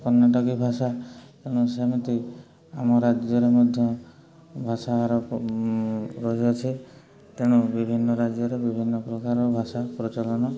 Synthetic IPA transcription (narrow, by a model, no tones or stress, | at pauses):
kɔɾnːaʈɔkibʱasat̪eɽ̃usemit̪i | amɔɾad͡ʒjɔɾemɔd̪ʱjɔ | bʱasaɾɔ | ɾɔɦɔt͡ʃʰi | t̪eɽ̃ubibʱinːɔɾad͡ʒjɔɾebibʱinːɔpɾɔkaɾɔbʱasapɾɔt͡ʃɔlɔnɔ